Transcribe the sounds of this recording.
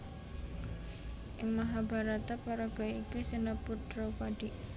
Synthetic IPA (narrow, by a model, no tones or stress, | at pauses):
ʔɪŋmaɦaba̤ɾat̪apaɾaɡ̥ɔikisənəpud̥ɾopaɖ̥iʔ